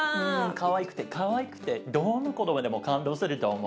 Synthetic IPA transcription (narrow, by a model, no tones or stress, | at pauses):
ɯ̟̃kaβaikɯ̟̥t̪e̞kʰaβaikɯ̟̥t̪e̞d̪onokot̪obad̪e̞mokãnd̪o̞ːsɨɾɯ̟t̪o̞ːmo